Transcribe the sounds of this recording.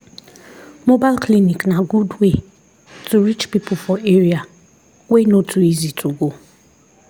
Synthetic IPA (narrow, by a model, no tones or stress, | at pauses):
mobaɪlkliniknaɡudwe | tuɾit͡ʃpipʊfɔeɾia | wʷenotuizitʰuɡo